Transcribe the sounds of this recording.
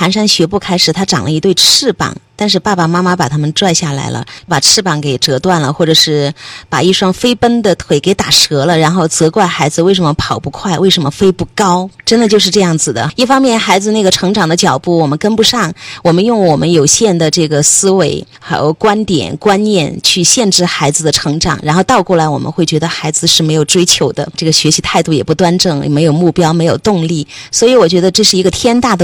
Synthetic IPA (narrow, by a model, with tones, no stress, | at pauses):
xa˧˥nʂa˥nɕɥɛ˧˥pu˥˩kʰa˥ɪʂɻ̩˨˩t̪ʰa˥ʈ͡ʂɑ˨˩ŋlʔə˦i˧t̪we˥˧ɪʈ͡ʂʰɻ̩˥˩pɑ̰˨˩ŋt̪a˥˧nʂ̬ɻ̩˥˧pa˥˩pa˨˩ma˥ma˥pa˨˩t̪ʰa˥mə˨nʈ͡ʂwa˥˧ɪɕja˥˩la̰˧˥ɪlə̰˧˥pa˨˩ʈ͡ʂʰɻ̩˥˧pɑ˥˩ŋke˨˩ɪʈ͡ʂɤ˧˥t̪wa˥˩nlə˩xwɔ˥˩ʈ͡ʂɤ˨˩ʂɻ̩˥˩pa̰˨˩i˥˩ʂwɑ˥ŋfe˥ɪpə˥nd̪ə˨t̪ʰwe˧˩ɪke˧˥ɪt̪a˨˩ʂɤ˧˥lə˧ɻa˧˥nxo˥˩ʊt͡sɤ˧˥kwa˥˩ɪxa˧˥ɪd͡zɹ̩˧we˥˩ɪʂ̬ə˧˥mə˧pʰɑ˨˩ʊpu˧˥kʰwa˥˩ɪwe˥˩ɪʂə˧˥nmə˧fe˥ɪpu˥˩kɑ˥ʊʈ͡ʂə˥nd̪ə˨t͡ɕjo˥˧ʊʂ̬ɻ̩˥˧ʈ͡ʂɤ˥˧jɑ˥˩ŋd͡zɹ̩˨˩d̪ə̰˩i˥˩fɑ˥ŋmjɛ˥˩nxa˧˥ɪd͡zɹ̩˧na˥˩ɡə˩ʈ͡ʂʰɤ˧˥ŋʈ͡ʂɑ˨˩ŋd̪ə˦t͡ɕjɑ˨˩ʊpu˥˩wɔ˨˩mə˦nkə˥npu˧˥ʂɑ˥˩ŋwɔ˨˩mə˦njʊ˥˩ŋwɔ˨˩mʔə˦njo˨˩ʊɕjɛ˥˧nd̪ə˩ʈ͡ʂɤ˥˩ɡə˩sɹ̩˥we˧˥ɪxa˧˥ɪjo̰˧˩ʊkwa˥nt̪jɛ̰˨˩˦nkwa˥nnjɛ˥˧nt͡ɕʰy˥˧ɕjɛ˥˧nʈ͡ʂɻ̩˥˩xa˧˥ɪd͡zɹ̩˧d̪ə˩ʈ͡ʂʰɤ˧˥ŋʈ͡ʂɑ̰˨˩ŋɻa˧˥nxo˥˧ʊt̪ɑ˥˧ʊkwɔ˥˩la˧˥ɪwɔ˨˩mə̰˦nxwe˥˩ɪt͡ɕɥɛ˧˥d̪ə˧xa˧˥ɪd͡zɹ̩˧ʂɻ̩˥˩me˧˥ɪjo˨˩ʊʈ͡ʂwe˥ɪt͡ɕʰjo˧˥ʊd̪ə˧ʈ͡ʂɤ˥˩ɡə˩ɕɥɛ˧˥ɕi˧˥t̪ʰa˥˧ɪt̪u˥˩jɛ˨˩pu˧˩t̪wa˥nʈ͡ʂɤ˥˩ŋme˧˥ɪjo˨˩ʊmu˥˩pjɑ˥ʊme˧˥ɪjo˨˩ʊt̪ʊ˥˧ŋli˥˩swɔ˧˥i˧˥wɔ˨˩t͡ɕɥɛ˧˥d̪ə˧ʈ͡ʂɤ˥˧ʂɻ̩˥˩i˧˥ɡə˧t̪ʰjɛ˥nt̪a˥˩d̪ə˩